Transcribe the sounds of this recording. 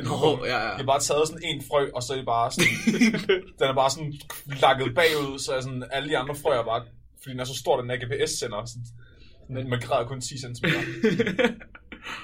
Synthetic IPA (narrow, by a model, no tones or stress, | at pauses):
ib̥ɑ̈ːt͡sʰɛːð̩ˠsɔ̽ne̝̰ːnfʁœɪ̰ʔɒ̽sɒ̽ɐɾeb̥ɑ̈ːsɔn | d̥enæɐb̥ɑ̈ːsɔ̽nlɑ̈ɡ̥əð̩ˠb̥ɛ̰ːuð̞̰ˠsɒ̽ææs̬ɔ̽næləd̥iɑ̈nd̥ʁɐfʁœɪ̰æɐb̥ɑ̈ː | fɒ̽d̥ḭdenæɐs̬sd̥o̝ɐ̰ɾenæɐɡ̥e̝ːpʰeesːen̰ɐsɔn | snmæɡ̥ʰʁɛ̰ðˠɐkʰɔ̽nt͡sʰḭːsensm